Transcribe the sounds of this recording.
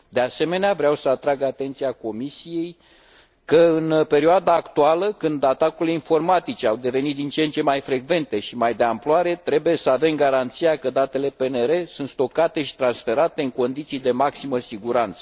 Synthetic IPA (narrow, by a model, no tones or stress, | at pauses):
d̪e̞ase̞me̞neavɾeawsəat̪ɾaɡat̪e̞nt̪sijako̞misije̞j | kəɨnpe̞ɾioad̪aːkt̪ualəkɨnd̪at̪akuɾileinfo̞rmat̪it͡ʃeawd̪e̞ve̞nit̪̚d̪int͡ʃent͡ʃe̞majfɾe̞ɡve̞nt̪e̞ʃimajd̪e̞amploaɾe̞t̪ɾe̞buje̞səave̞mɡaɾant̪sijakəd̪at̪e̞le̞pe̞ne̞ɾe̞sunt̪st̪o̞kat̪e̞ʃi̥t̪ɾansfe̞ɾat̪e̞ɨŋko̞nd̪it̪sijd̪e̞maksiməsiɡuɾant̪sə